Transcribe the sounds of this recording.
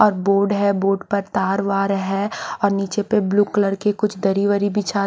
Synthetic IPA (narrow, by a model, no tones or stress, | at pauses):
ɔːɾboːɖɦɛboːɖpɐɾt̪aːɾʋaːɾɦɛɔːɾniːt͡ʃepebluːkləɾkekʊt͡ʃʰd̪ɐɾiʋəɾibʱit͡ʃaː